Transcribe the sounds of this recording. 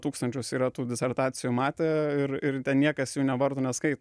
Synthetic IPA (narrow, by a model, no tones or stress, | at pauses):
t̪uːkst̪ɐnʲt͡ʃʲʊsiːɾɐt̪uːd̪ʲɪsʲɛɾt̪ɑːt̪sʲɪjuːmɑːt̪ʲeːɪɾɪɾt̪ʲɛnnʲiɛkɐsjuːnʲɛʋɐɾt̪oːnʲɛskɐɪt̪